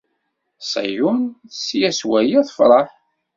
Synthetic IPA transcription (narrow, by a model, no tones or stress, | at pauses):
sˤæ̰junsjæswæjiðˤfɾˤɑħ